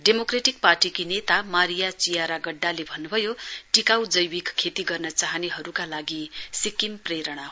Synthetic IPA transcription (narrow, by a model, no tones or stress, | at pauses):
ɖemokreʈik̚parʈikinet̪amaɾijat͡sijaɾaɡʌɖːalebʱʌnːubʱʌjoʈikawd͡zʌjwikkʰːet̪iɡʌrnʌt͡saɦʌneɦʌɾukalaɡisikimpreɾʌɽ̃aɦ